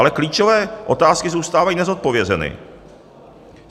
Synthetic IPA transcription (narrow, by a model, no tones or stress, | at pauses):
lɛkliːt͡ʃovɛːʔo̞t̪aːskɪzuwst̪aːvajiːnɛzo̞t̪̚po̞vjɛzɛnɪ̰